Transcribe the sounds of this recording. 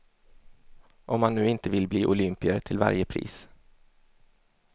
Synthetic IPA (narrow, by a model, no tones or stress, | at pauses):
ʔɔmhanːʉ̟ːɪnt̪əvɪlbliːʔʊlʏmpɪəɾt̪ʰɪlva̰ɾjəpʰɾḭːs